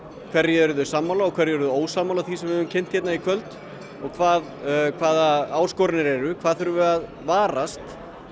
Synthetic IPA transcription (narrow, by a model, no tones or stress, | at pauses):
kʰvɛɾjɛɛɾðʏsamːalaɔkʰvɛɾjɛɾðʏoːwsaːmalaθisɛmvɪðʏmcʰɛn̥t̪çjɛt̪naikʰvœlt̪ | ɔɣkʰvaːðkʰvaːðaaːwskɔɾɪnɪɾɛɾʏkʰvaːðθɛɾʏvʏað | vaːɾast̪